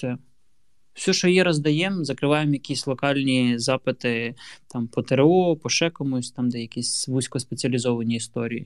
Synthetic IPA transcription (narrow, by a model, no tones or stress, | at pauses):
sɛ | wsʲɔʃt͡ʃɔjɛɾɐzd̪ɐjɛmzɐkɾɪʋɑjemjɐkʲisʲlˠɔkɑlʲnʲizɑpɪt̪ɪt̪ɑmpɔt̪eɾɔpɔʃɛkɔmusʲtʲt̪ɑmd̪ɛjɐkʲisʲʋusʲkɔspet͡sʲiɐlʲizɔʋɐnʲiːst̪ɔɾʲiji